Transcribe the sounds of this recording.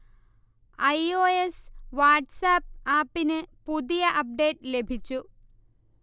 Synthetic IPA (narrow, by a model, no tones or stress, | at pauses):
ɐjoːesʋaːʈsaːp̚aːpːinɨpuðijɐʔɐp̚ɖe̞ːʈle̞bʱit͡ɕːu